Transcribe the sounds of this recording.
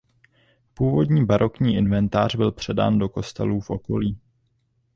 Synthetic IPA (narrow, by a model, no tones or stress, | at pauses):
puːvo̞dɲiːbaɾʔo̞kɲiːʔɪnvɛnt̪aːr̝bɪlpr̝̥ɛda̰ːndo̞ko̞st̪ɛ̰luːfʔo̞ko̞liː